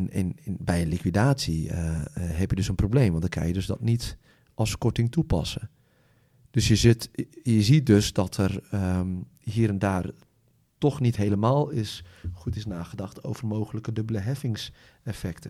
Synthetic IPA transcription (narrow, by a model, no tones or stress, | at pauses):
nɛ̰nbɛjənlikʋidaːtsi | ɦɛpjədøsənprowbleːmʋɑndəkʰa̰jədøzdɔ̰tnit | ʔɔskɔtɪŋtupɑ̰sə | d̥øsjəzɪtjəzit̚døsdɔtʰər | ɦiːɾɛndaːr | tɔxnitɦejləmaːlˠɪsχutɪsnaːɣədɑxtʰo̰wvərmowɣələkədøbələɦɛfɪŋs | ɛfɛktə